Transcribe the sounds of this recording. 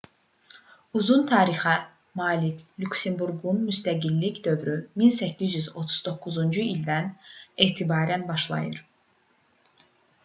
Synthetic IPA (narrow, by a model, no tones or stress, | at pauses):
uzunt̪ʰɑːɾixæ | mɑːlicʰlʲuksembuɾɡunmyst̪æɟilːicd̪ø̞vɾyminsæcʰːizjyzo̞t̪ʰu̥z̥d̪o̞kːuzund͡ʒuild̪æne̞ːt̪ʰibɑːɾænbɑʃlˠɑ̰jɯɾ